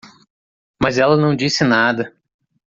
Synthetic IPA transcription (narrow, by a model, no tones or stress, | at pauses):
mɐzɛlɐnɐ̃w̃d͡ʒisɪnad̪ɐ